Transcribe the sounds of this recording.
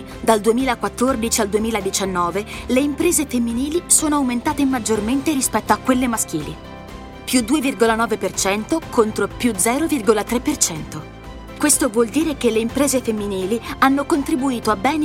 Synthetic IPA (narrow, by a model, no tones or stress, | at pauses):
d̪ald̪uemiːlakwat̪ːord̪it͡ʃiald̪uemiːlad̪it͡ʃanːɔːveleimpɾeːzefemːiniːlisoːnoawment̪aːt̪emad͡ʒːorment̪eɾispɛt̪ːoakːwelːemask̟iːlḭ | pjud̪ːuːevirɡolanɔːvepert͡ʃɛnt̪okont̪ɾopjud̪zɛːɾovirɡolat̪ɾepːert͡ʃɛnt̪o | kwest̪ovwɔld̪iːɾekelːeimpɾeːzefemːiniːlianːokont̪ɾibuiːt̪oabːɛːn